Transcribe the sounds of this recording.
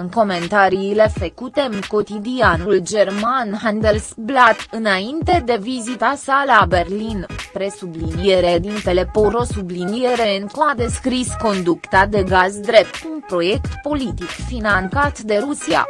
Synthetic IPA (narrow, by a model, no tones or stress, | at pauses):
ɨŋko̞me̞nt̪aɾiːle̞fəkut̪e̞ɨŋko̞t̪id̪ianuld͡ʒe̞rmanɦand̪elsblat̪ɨnaint̪e̞d̪e̞vizit̪asalabe̞rlinpɾe̞sublinijeɾed̪int̪e̞le̞poɾo̞sublinijeɾe̞ɨnkumad̪e̞skɾisko̞nd̪ukt̪ad̪e̞ɡazd̪ɾe̞p̚t̪unpɾo̞je̞kt̪po̞lit̪ikfinant̪sat̪d̪e̞ɾusia̰